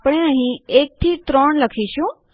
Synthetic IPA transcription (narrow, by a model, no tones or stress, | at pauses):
pɽ̃eaɦĩek̚t̪ʰiːt̪ɾoɳləkʰiʃũ